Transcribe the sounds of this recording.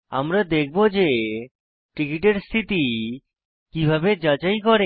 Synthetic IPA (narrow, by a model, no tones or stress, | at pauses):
a̰mɾad̪ek̚ʰbod͡ʑe | ʈikiʈeɾst̪ʰit̪i | kibʱabed͡ʑat͡ɕajkɔɾe